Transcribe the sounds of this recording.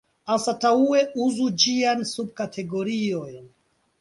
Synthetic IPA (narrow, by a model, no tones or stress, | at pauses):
asataue̞ʔuzud͡ʒiansub̚katʰe̞ɡo̞ɾio̞jn